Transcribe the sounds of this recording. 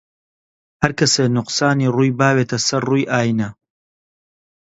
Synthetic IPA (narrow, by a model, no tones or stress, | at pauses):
hɐɾkɐseːnʊqsaːniːruːjbaːweːt̪ʰɐsɐɾruːjʔaːjnɐ